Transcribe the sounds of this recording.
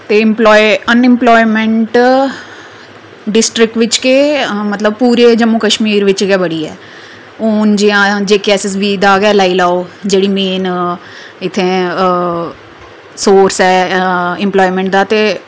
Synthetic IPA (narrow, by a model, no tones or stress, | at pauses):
t̪eːɪmplɔːiənɪmplɔːimɛ̃ɳʈ | ɖɪsʈɾɪk̚ʈʋɪt͡ʃkemət̪ləb̚puːɾeːd͡ʒəmukəʃmiːɾʋɪt͡ʃɡɛːbəɽiːɛ̰ː | oːnd͡ʒɪãːd͡ʒeːkɛːsɪsʋiːd̪aːɡɛːlaːiːlaːoːd͡ʒeːɽiːmeːn | ɪt̪ʰːẽː | soːɾsɛːɪ̃mplɔːimɛ̃ɳʈ̚d̪aːt̪eː